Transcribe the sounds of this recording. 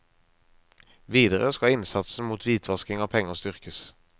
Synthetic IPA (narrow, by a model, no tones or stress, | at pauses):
ʋiːd̪əʁəskɑɪnsɑt̪sn̩muːt̪ʰʋiːt̪ʰʋɑskɪŋɑːʋpʰɛŋːəst̪ʏʁkəs